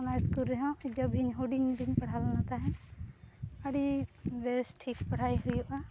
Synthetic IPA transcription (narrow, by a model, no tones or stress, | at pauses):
ɔnajskulɾɛɦɔ̃id͡ʒɔbʱiɲɦoɖiɲdiɲpaɽ̤alnat̪aɦɛ̃ | əɽibesʈʰikpaɽ̤ajɦujuʔa